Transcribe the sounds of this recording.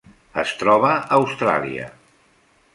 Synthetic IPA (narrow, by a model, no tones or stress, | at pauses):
əst̪ɾɔβ̞əəwst̪ɾa̰lˠiə̰